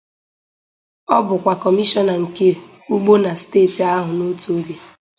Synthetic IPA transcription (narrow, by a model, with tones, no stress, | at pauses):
ɔ˦bʊ˨kʷa˨kɔ˨mi˦ʃɔ˦na˨ŋ̩˨ke˦ | u˦ɡ͡bo˦na˨steː˦˨ti˨a˦ɦʊ˨no˦tu˨o˦ɡe˨